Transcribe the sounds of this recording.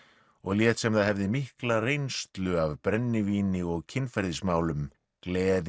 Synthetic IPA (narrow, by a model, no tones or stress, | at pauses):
ɔɣljɛːt̪sɛmθaðhɛvðɪmihklarejnst̪lʏavpɾɛnːɪviːnɪɔɣcʰɪnfɛɾðɪsmaːwlʏm | klɛːð